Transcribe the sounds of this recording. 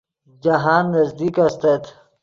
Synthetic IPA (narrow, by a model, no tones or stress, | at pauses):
d͡ʒɐɦaːnːɐzd̪iːkɐst̪et̪ʰ